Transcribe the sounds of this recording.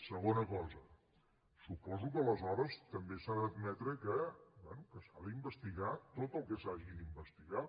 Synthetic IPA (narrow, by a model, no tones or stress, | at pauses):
səɣ̞onəkɔzə | supɔzukələzɔɾəst̪əmbesaðəːd̪mɛt̪ɾəkəbwɛnukəsaðəimbəst̪iɣat̪ot̪əlˠkəsaʒiimbəst̪iɣa